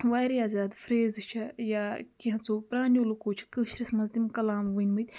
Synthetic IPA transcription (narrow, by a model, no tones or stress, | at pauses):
ʋaːɾijaːzʲaːd̪fɾeːzɨt͡ʃʰɐjaːkiɦɐ̃t͡soːpɾaːnoːlukoːt͡ʃʰi̥kəːʃɾɐsmɐzd̪imkɐlaːmʋɨnʲmɨt̪ʲ